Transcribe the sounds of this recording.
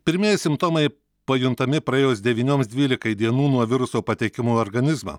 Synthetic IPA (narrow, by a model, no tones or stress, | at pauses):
pʲɪɾʲmʲiɛjsʲɪmpt̪oːmɐɪ | pɐjʊnt̪ɐmʲɪpɾɐeːjoːsd̪ʲɛʋʲiːnʲoːmsd̪ʲʋʲiːlʲɪkɐɪd̪ʲiɛnuːnuɔʋʲɪɾʊsoːpɐt̪ʲɛkʲɪmoːɔɾɡɐnʲɪzmɐ̰ː